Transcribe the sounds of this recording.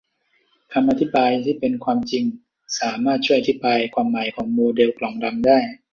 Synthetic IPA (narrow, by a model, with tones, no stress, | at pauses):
kʰa˧mʔa˧t̪ʰi˦˥˩baː˧jt̪ʰiː˥˩pe˧nkʰwaː˧mt͡ɕi˧ŋ | saː˩˦maː˥˩t̪̚t͡ɕʰu˥˩əʔat̪ʰi˦˥˩baː˧jkʰwaː˧mːa˩˦jkʰɔː˩˦ŋmoː˧de˧wklɔː˨˩˦ŋda˧mdaː˥˩j